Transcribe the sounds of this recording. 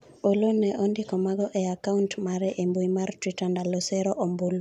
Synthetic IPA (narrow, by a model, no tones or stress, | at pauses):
olonɛʔɔndikɔmaɡɔʔɛakauntmaɾɛʔembuimartwitandalosɛɾɔʔɔmbul